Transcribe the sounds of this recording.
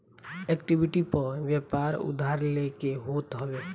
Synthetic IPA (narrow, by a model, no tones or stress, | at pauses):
ɛkʈibɪʈipəɾʋjɛpaːɾʊ̰d̪ʱaːɾlekeɦoːt̪ɦəʋeː